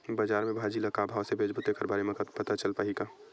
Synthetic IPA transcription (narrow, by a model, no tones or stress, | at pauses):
bəd͡ʒaːɾmẽbʱad͡ʒilɐkabʱaːʋsebʱeːd͡ʒbʊt̪ekɐɾbaːɾemẽkpət̪at͡ʃəlpaɦika